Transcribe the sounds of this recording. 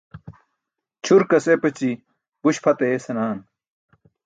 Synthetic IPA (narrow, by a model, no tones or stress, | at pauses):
t͡ɕʰuɾkɐsepɐt͡ɕi | buɕpʰɐt̪eesɐnaːn